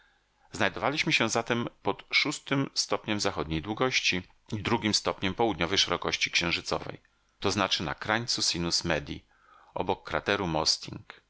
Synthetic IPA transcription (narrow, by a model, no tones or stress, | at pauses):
znajd̪ɔvalʲiɕmɘɕɛ̃zat̪ɛmpɔt̪ʂust̪ɘmst̪ɔpɲɛmzaxɔd̪ɲejd̪wuɡɔɕt͡ɕi | id̪ɾuɡʲimst̪ɔpɲɛmpɔwud̪ɲɔvɛjʂɛɾɔkɔɕt͡ɕi̥kɕɛ̃w̃ʐɘt̪sɔ̰vɛ̰j | t̪ɔznat͡ʂɘna̰kɾaɲt̪susinusmɛd̪ʲḭ | ɔ̰bɔkːɾa̰t̪ɛɾumɔst̪ʲiŋk